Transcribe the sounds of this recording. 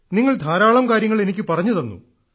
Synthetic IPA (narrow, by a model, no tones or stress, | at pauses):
niŋːɐɭd̪ʱaːɾaːɭɐmkaːɾjɐŋːɐɭe̞nikʲːɨpɐrɐɲːɐðonːṵ